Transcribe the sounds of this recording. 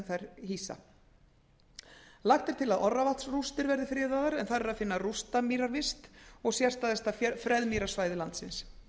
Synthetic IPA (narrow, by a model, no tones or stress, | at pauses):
nθajɾ̥hiːsa̰ | laxt̪ɪɾ̥t̪ʰɪlaðʔɔrːavalt̪srust̪ɪɾvɛɾðɪfɾɪːðaðaɾɛnθaɾɛɾaðfɪnːarust̪amiːɾaɾvɪst̪ɔɣsjɛ̥st̪aðθɛst̪afɾɛðmiːɾḁsvaːjðɪlant̪sɪns